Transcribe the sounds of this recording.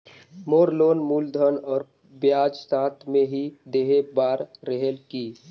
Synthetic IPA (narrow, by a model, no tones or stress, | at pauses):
moːɾloːnmuːld̪ʱənɔːɾ | bjaːd͡ʒsaːt̪ʰmẽɦid̪eːɦebaːɾːəɦelkiː